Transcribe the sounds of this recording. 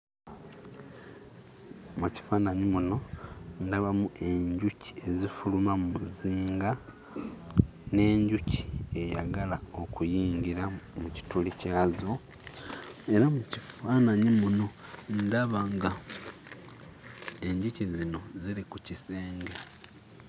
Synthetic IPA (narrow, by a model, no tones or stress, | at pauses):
muci̥fanaɲimuno̞ndaβamuʔe̞ɲɟuci̥e̞zifulumamumuziːŋɡa | ne̞ːɲɟuci̥e̞ja̰ɡalao̞kujiːɲɡiɾamuci̥tulicaːzo̞ | e̞ɾamucifanaɲimuno̞ndaβaŋɡa | e̞ɲɟucizino̞ziɾikuciseːŋɡe